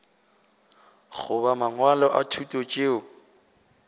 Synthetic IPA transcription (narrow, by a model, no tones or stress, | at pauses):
χʊbamaŋwalɔʔatʰutʼot͡ʃʼeʊ